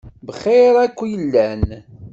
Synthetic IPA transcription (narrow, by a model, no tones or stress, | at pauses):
bəχːeɾˤækʷːjəlːæn